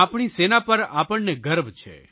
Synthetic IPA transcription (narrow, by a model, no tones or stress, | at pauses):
apɳ̃isenapəɾa̰pəɳneɡəɾʋt͡ʃʰḛ